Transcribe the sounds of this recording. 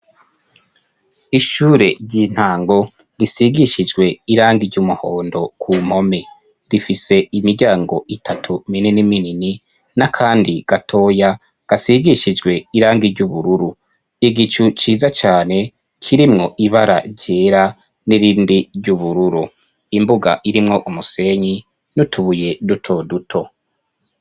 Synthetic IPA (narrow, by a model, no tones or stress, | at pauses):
iʃuːɾe̞ɟiːn̥haːŋɡo̞ | ɾisiɡiʃid͡ʒɡwe̞iɾaːŋɡiɾɟumuhoːndo̞kʰum̥ho̞me | ɾifise̞imiɾɟaːŋɡo̞ʔitʰatʰumininiminini | nakʰaːndiɡ̥atʰo̞ːja | ɡ̥asiɡiʃid͡ʒɡwe̞iɾaːŋɡiɾɟuβuɾuɾu | iɡit͡ʃut͡ʃiːzat͡ʃaːne̞ | kʰiɾimŋo̞ʔiβaɾa̰ɾɟeːɾa | niɾiːndiɾɟuβuɾuɾu | imbuɡa̰ʔiɾimŋo̞ʔumuse̞ɲi | nutʰuβuje̞dutʰo̞dutʰo̞